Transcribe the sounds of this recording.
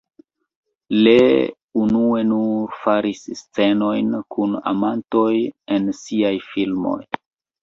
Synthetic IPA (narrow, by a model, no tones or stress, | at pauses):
le | unue̞nufaɾisst͡se̞no̞jnkuna̰manto̞jensiajfilmo̞̰j